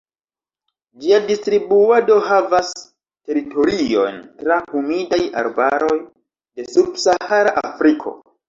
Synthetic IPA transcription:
d͡ʒiadistɾibuado̞ɦavas | te̞ɾito̞ɾio̞̰ntɾahumidaja̰ɾbaɾo̞j | de̞subsahaɾaʔafɾikʰo̞̰

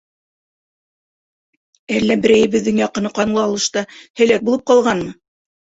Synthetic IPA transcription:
ælːæbɘ̆ɾæjɘ̆βɘ̆ðːɘŋjɑqɤ̆nɤqɑnlˠɑɑlˠɤ̆ʃt̪ɑhæ̆læk̚bulˠɤp̚qɑlˠʁɑnmɤ

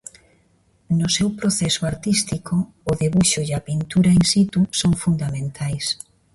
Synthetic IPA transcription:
nʊsewpɾoθɛsoaɾt̪ist̪ikoː | ðeβuʃoʎapint̪uɾainsit̪usoŋfund̪amẽnt̪ʰajs

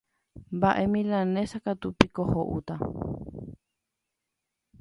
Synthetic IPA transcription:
mbaʔemĩlãnẽsakat̪upikohoʔut̪a

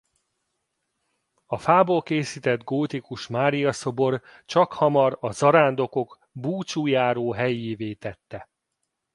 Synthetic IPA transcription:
ɒfaːbolkeːsiːt̪ɛd̪ɡoːt̪ikuʃmaːɾijɒso̞bo̞r | t͡ʃɒkhɒmɒɾɒzɒɾaːnd̪o̞ko̞ɡ | buːt͡ʃuːjaːɾoːɦɛjeːveːt̪ɛt̪ːɛ

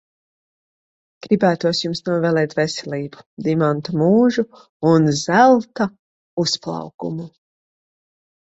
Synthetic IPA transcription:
ɡ̥ɾibæːt̪uɔsjumsnuɔvɛːlˠɛːt̪vɛsɛlʲiːbu̥d̪imant̪umuːʒu | unzælˠt̪a | usplˠɑ̰wkumu

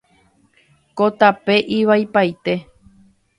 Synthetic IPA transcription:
kot̪ape̞ʔiʋajpajt̪e̞

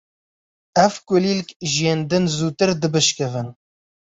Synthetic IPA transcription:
ɛvkʷʊlilkʒiend̪ɨnzuːt̪ɨɾd̪ɨbɨʃkɨvɨn

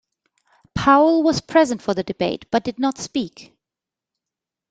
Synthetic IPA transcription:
pʰaʊlˠwʌz̥pʰɹ̥ɛzə̃ntfə˞ðɨdɨbeɪtb̥ʌt̚d̥ɨdⁿnətspik

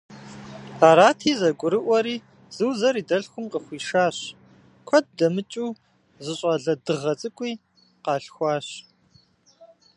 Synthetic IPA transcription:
aːɾaːtʰiːzɐɡʷʊɾɨʔʷɔɾiː | z̥ɨwzɐɾiːdɐɬxʷʊmqəxʷiːʃaːɕ | kʷʰɔd̚dɐmɨt͡ʃʼuː | zɨɕʼɐɮɐdɨʁɐt͡sʼɨkʷʼiː | qɑːɬxʷɑːɕ

